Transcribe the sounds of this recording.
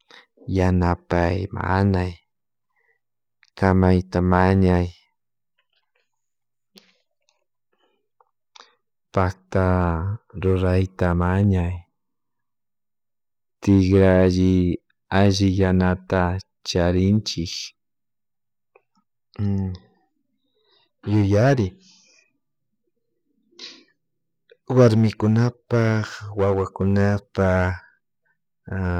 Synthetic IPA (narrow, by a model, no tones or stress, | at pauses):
janapajma̰naj | kamajt̪amaɲaj | pak̚t̪a | ɾʊɾajt̪amaɲaj | t̪ɪkɾaʒɪ | aʒɪjanat̪a | t͡ʃaɾɪnt͡ʃɪk | jʊjaɾɪ | waɾmɪkʊnapaχwawakʊnapa